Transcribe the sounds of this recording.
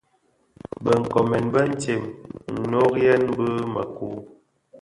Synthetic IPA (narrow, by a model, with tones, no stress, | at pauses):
bə˨ŋ̩˨kɔ˨mɛ˨nbə˦n̩˦te˨mn̩˨no˦kjɛ˦nbə˦mə̰˨ku˨˦